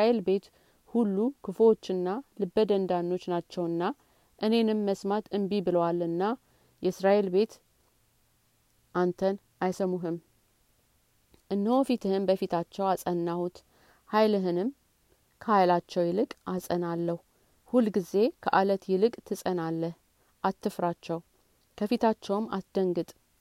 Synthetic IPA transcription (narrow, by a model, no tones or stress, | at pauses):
aelbe̞t̪ | hulːukʰɨfwo̞t͡ʃːɨnːalɨbːəd̪ənd̪anːo̞t͡ʃːnat͡ʃːɛwɨnːa | ʔɨne̞nɨmːəsmat̪ʰɨmbibɨləwalːɨnːa | jɛɨsɾaʔe̞lbe̞t̪ | ʔant̪ʰən | ʔajsəmuɦɨm | ʔɨnːɨwofit̪ʰɨhɨnbəfit̪ʰat͡ʃːɛwasʼənːahut̪ | hajlɨɦɨnɨm | kʰəhajlat͡ʃːɛwjɪlɨkʼasʼənalːəhu | hulɡize̞kʰəʔalət̪jɪlɨkʼt̪ʰɨsʼənalːəh | ʔat̪ːɨfɾat͡ʃːɛw | kʰəfit̪ʰat͡ʃːɛwma̰sd̪əŋɡɨt̪ʼ